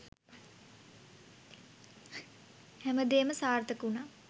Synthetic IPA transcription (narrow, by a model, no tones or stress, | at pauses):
hɛməd̪eːməsaːrt̪əkuna